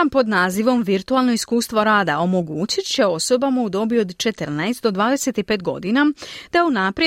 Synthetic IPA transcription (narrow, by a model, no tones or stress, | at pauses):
ampo̞d̪naːziʋo̞mʋiɾt̪ualˠno̞iskuːst̪ʋo̞ɾaːd̪ao̞mo̞ɡuːt͡ɕit̪t͡ɕe̞o̞so̞bamaud̪o̞bio̞d̪t͡ʃe̞t̪əɾnajst̪̚d̪o̞d̪ʋaːd̪e̞se̞t̪ipe̞ːt̪̚ɡo̞̰d̪inad̪̥aeunapɾ